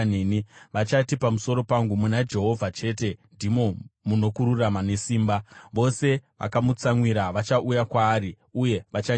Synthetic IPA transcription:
eniʋat͡ʃatipamuso̞ɾo̞paŋɡumunad͡ʒe̞ɦo̞vʱat͡ʃe̞ːte̞ndimo̞muno̞kuɾuramane̞siːmbaʋo̞se̞ʋʔa̰kamut͡saŋwiɾaʋat͡ʃaʔujakwaːɾi | uje̞ʋat͡ʃa

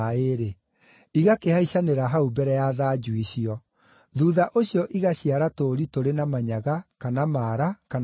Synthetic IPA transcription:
eɾe | iɣakehaiɕaneɾaɦaubɛɾɛjaðaːd͡ʑuiɕiɔ | ðuːðaʔoɕiɔʔiɣaɕiaɾatoɾitoɾenamaɲaɣakanamaɾakan

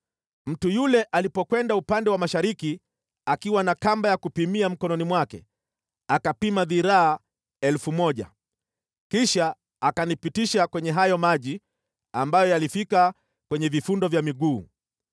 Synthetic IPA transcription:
m̩tujulɛʔalipɔkwɛndaupandɛwamaʃaɾiki | akiwanakambajakupimiam̩kɔnɔnimwakɛ̰ | akapimaðiɾaː | ɛlfumɔʄa̰ | kiʃaː | kanipitiʃakwɛɲɛɦajɔmaʄi | ambajɔjalifika | kwɛɲɛvifundɔvjamiɠuː

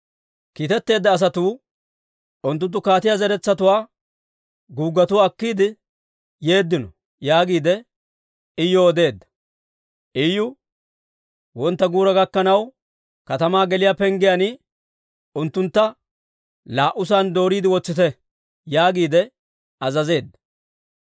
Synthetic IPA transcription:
kiːt̪ɛt̪ːe̞ːd̪ːɐːs̬ɐt̪uː | ʊnt̪̬ːʊnt̪̬ːʊkaːt̪ɪjazɛɾɛt͡sːɐt̪ʊwaː | ɡuːɡːɐt̪ʊɐkːiːd̪ɪ | je̞ːd̪ːɪnɔ | jaːɡiːd̪ɛ | ɪjːɔɔd̪e̞ːd̪ːɐ̥ | ʔɪjʊ | wɔnt̪ːɐɡuːɾɐɡɐkːɐnɐw | kɐt̪ɐmaːɡɛlɪjaːpɛŋɡɪjanɪ | ʊnt̪ːʊnt̪ːɐ | laːʔʊs̬aːnd̪o̞ːɾiːd̪ɪwɔt͡sːɪt̪ɛ | jaːɡiːd̪ɛ | ɐzɐze̞ːd̪ːɐ̥

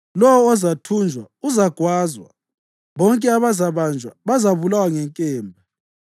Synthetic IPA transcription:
lɔwɔːzatʰund͡ʒʱwa̰ | uzaɡ̥ʱwaːzwa̰ | βɔŋkʼɛaβazaβand͡ʒʱwa̰βazaβulawaŋɛŋkʼɛːmbʱa

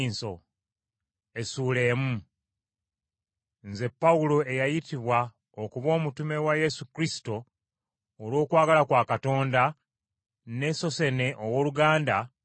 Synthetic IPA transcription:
nso̞̰ | e̞suːle̞ːmu | nze̞pːawulo̞e̞jajitiβwa | okuβo̞ːmutume̞waje̞sukɾisi̥to̞ː | lwo̞ːkwaːɡalakwaːkato̞ːnda | ne̞so̞se̞ne̞ʔowoːluɡaːnda

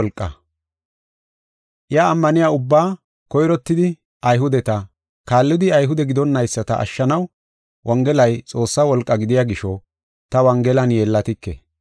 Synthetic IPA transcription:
lkʼːɐ̰ | ʔɪjaːmːɐnɪjaːʊbːaː | kɔjɾɔt̪ːɪd̪ɪ | ɐjɦʊd̪ɛt̪ɐ | kaːlːɪd̪ɪɐjɦʊd̪ɛɡɪd̪ɔnːɐjsːɐt̪ɐʔɐ̰ʃːɐnɐw | wʔɐŋɡɛlɐjt͡sʼo̞ːsːɐwɔlkʼːɐɡɪd̪ɪjaɡɪʃɔ | t̪ɐwɐŋɡɛlɐnje̞ːlːɐt̪ɪkːɛ̰

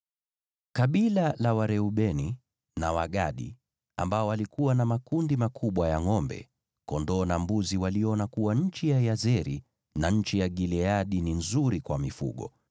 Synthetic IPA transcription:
kaɓilalawaɾɛuɓɛni | nawaɠaɗḭ | a̰mbaɔwalikuwanamakundimakʰuɓwajaŋɔmbɛ̰ | kɔndɔːnambuziwaliɔnakuwaɲ̩t͡ʃijajazɛɾi | naɲ̩t͡ʃijaɡilɛaɗininzuɾikwamifṵɠɔ̰

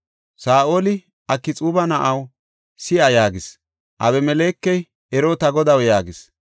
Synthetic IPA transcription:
saːʔoːlɪ | ɐkːɪt͡sʼuːbɐnɐʔɐw | sɪʔɐjaːɡɪs | ʔɐbɛmɛleːkːɛj | ɛɾoːt̪ɐɡɔd̪ɐwjaːɡɪs

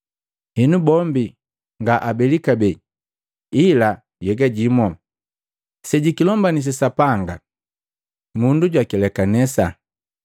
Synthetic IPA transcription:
hɛnubɔmbi | ŋɡaʔabɛlikabɛ | ila | jɛɡaɟimɔ | sɛɟikilɔmbanis̬ɛsapaŋɡa̰ | munduɟwakɛlɛkanɛsa

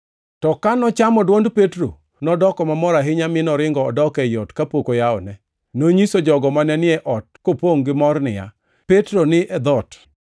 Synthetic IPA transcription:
tɔkanɔt͡ʃamɔdwɔndpetɾo̰ | nɔdɔkɔmamɔɾaɦɪɲamɪnɔɾɪŋɡɔːdɔkɛjɔtkapokojaɔ̰nɛ | noɲisod͡ʒɔɡɔmanɛnɪɛʔɔt̚kopoŋɡɪmɔrnɪja̰ | petɾonɪʔɛd̪ɔt

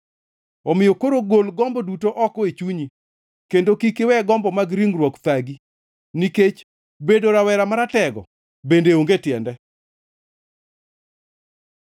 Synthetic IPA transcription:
ɔmɪjokoɾoɡolɡɔmbɔdutoʔɔkɔet͡ʃuɲi | kendokikɪwɛɡɔmbɔmaɡɾiŋɾwɔkt̪aɡi | niket͡ʃ | bedoɾawɛɾamaɾatɛɡɔ̰ | bendeoŋɡetjɛndɛ

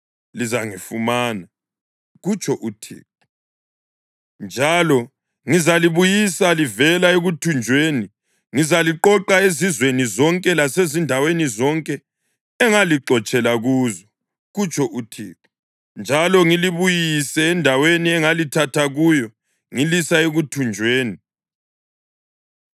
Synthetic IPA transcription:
lizaŋifumaːna | ɣut͡ʃʼɔʔutʰḭːp̚u | nd͡ʒʱalɔ | ŋizaliβujisalivɛlaeɣutʰund͡ʒʱweːni | ŋizaliǃɔǃaezizwenizɔŋkʼɛlasezindʱawenizɔŋkʼɛː | ŋaliǃɔt͡ʃʼɛlaɣuːzɔ | ɣut͡ʃʼʰɔʔutʰḭːk | nd͡ʒʱalɔŋiliβujisɛːndʱaweniɛŋalitʰatʰaɣujɔ | ŋilisaeɣutʰund͡ʒʱweːni

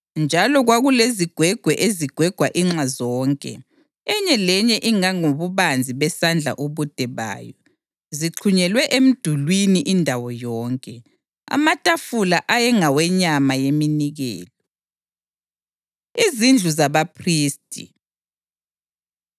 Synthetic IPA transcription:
nd͡ʒʱalɔɣwaɣuleziɡ̥ʱwɛɡ̥ʱwɛʔeziɡ̥ʱwɛɡ̥ʱwaʔiŋ͡ǁazɔːŋkʼɛ̰ | ɛɲɛlɛɲɛʔiŋaŋoβuβand͡zʱiβɛsand͡ɮʱa̰ʔuβud̥ʱɛβa̰ːjɔ | ziǁʰuɲɛlwɛʔem̩d̥ʱulwiniʔindʱawɔjɔːŋkʼɛ | a̰matʼafulaʔajɛŋawɛɲamajeminiɣɛ̰ːlɔ | izind͡ɮʱuzaβapʰriːstʼḭ

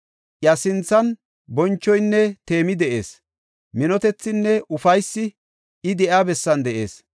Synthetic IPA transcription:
ʔjɐsɪnt͡sːɐn | bɔnt͡ʃːɔjnːɛt̪e̞ːmɪd̪ɛʔe̞̰ːs | mɪnɔt̪ɛt͡sːɪnːɛʔʊfɐjsːɪ | ɪd̪ɛʔaːbɛsːɐnd̪ɛʔḛːs

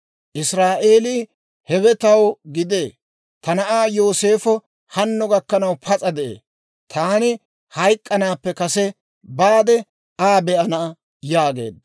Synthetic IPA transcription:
ʔɪsɾaːʔeːliː | hɛwɛt̪ɐwɡɪd̪eː | t̪ʰɐnɐʔaːjoːse̞ːfɔ | hɐnːɔɡɐkːɐnɐwpʰɐt͡sʼɐd̪ɛʔḛː | t̪ʰaːnɪ | hɐjkʼːɐnaːpːɛkɐsɛ | baːd̪ɛ | aːbɛʔɐnɐ | jaːɡe̞̰ːd̪ɐ

